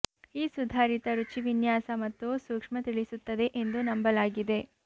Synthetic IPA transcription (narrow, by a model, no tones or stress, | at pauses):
iːsud̪ʱaːɾit̪ɐɾut͡ʃiʋinjaːsɐmɐt̪ːusuːkʂmɐt̪iɭisut̪ːɐd̪e̞ʔend̪unɐmbɐlaːɡid̪e̞